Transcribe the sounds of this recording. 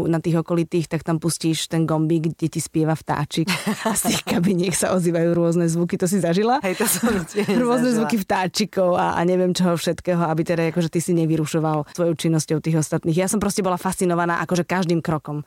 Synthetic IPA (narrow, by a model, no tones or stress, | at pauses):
nat̪iːɣɔkɔlit̪iːxt̪akt̪ampusciːʃt̪ɛnɡɔmbiɡɟɛcispɪɛʋaft̪a̰ːt͡ʃikast̪iːxkabiɲɪɛksaʔɔziːʋajuːɾʊɔznɛzʋukit̪ɔs̬izaʒilaɦɛjt̪sɛɾʊɔznɛzʋukift̪aːt͡ʃikɔʊa̰ʔa̰ɲɛʋɪɛmt͡ʃɔɦɔfʃɛt̪kɛːɦɔabit̪ɛɾaakɔʒɛt̪isiɲɛʋiɾuʃɔʋalsʋɔjɔʊt͡ʃinːɔscɔʊt̪iːɣɔst̪at̪niːɣjasɔmpɾɔscɛbɔlafast̪t͡sinɔʋanaːʔakɔʒɛkaʒd̪iːmkɾɔkɔm